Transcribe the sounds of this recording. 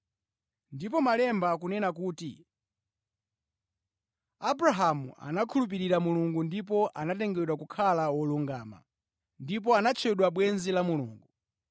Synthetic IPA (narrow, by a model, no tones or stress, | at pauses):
ndip̬ɔmalɛmbakunɛnakuːtḭ | abɾaɦamṵʔa̰nakʰulup̬iɾiɾamuluŋɡundip̬ɔʔanatɛŋɡɛɗwakukʰalawɔluŋɡaːma̰ | ndip̬ɔanat͡ʃʰɛɗwaɓwɛnzilamulṵːŋɡu